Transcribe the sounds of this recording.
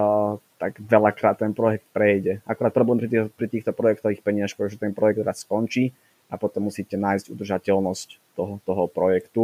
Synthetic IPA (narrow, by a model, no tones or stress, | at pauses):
t̪aɡʋɛlakɾaːt̪̚ːɛnpɾɔjɛk̚t̪̚pɾɛjɟɛʔakuɾaːt̪̚pɾɔblɛːmpɾit̪pɾit̪iːxt̪ɔpɾɔjɛk̚t̪ɔʋiːxpɛɲɪaʃpɾɛt̪ɔʒɛt̪ɛnpɾɔjɛɡ̚d̪ɾasːkɔnt͡ʃiː | apɔt̪ɔmːusiːcɛnaːjzɟṵd̪r̩ʒacɛlnɔsct̪ɔɦɔt̪ɔɦɔpɾɔjɛkt̪u